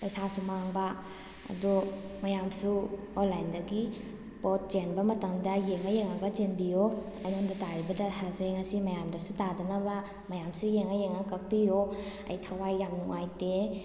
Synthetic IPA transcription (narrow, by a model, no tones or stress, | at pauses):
lojsasumaŋba | ɐ̰dɔ | mɐjamsu | onlajndɐɡi | pɔt̚t͡ʃenbɐmɐtaŋdɐjeŋajeŋaɡɐd͡ʒenbijo | ɐjnondataɾibɐdɐhazeŋɐsimɐjamdɐsutadɐnɐbɐ | mɐjamsujeŋajeŋakɐk̚pijo | ɐ̰jtʰɐwajːamnuŋajte